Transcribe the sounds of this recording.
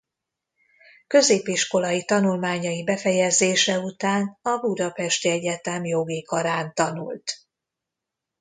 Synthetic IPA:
kø̞zeːpiʃko̞lɒjit̪ɒnulmaːɲɒjibɛfɛjɛzeːʃɛut̪aːnɒbud̪ɒpɛʃt̪iɛɟɛt̪ɛmjo̞ɡikɒɾaːnt̪ɒnṵlt̪

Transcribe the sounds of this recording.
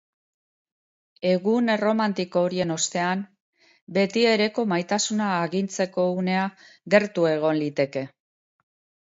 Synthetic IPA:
e̞ɣunro̞mant̪iko̞ːɾie̞no̞st̪e̞am | be̞t̪ie̞ɾe̞ko̞majt̪asunaːɣint͡se̞ko̞une̞a | ɣe̞ɾt̪ue̞ɣ̞o̞nlit̪e̞ke̞

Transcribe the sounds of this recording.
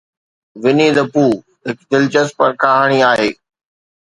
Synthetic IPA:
ʋɪnid̪ɐpuː | ɦɪkd̪ɪlt͡ɕəspɐɾkʰaːɦaːɽ̃iaːɦeː

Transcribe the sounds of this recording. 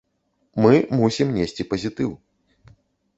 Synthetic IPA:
mɨmusʲimnʲesʲt͡sʲipɐzʲit̪ɨw

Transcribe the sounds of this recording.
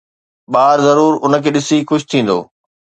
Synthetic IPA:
ɓaːɾzɐɾuːɾʊnə̆kʰeːɗɪsixʊʃt̪ʰĩːn̆d̪o̰ː

